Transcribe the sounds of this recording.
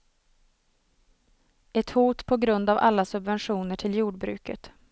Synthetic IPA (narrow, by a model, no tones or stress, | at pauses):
ɛt̪huːt̪pʰɔɡɾɵnd̪ava̰lːasɵbvɛnɧuːnəʈʰɪljuːɖbɾʉ̟̰ːkə̰t̪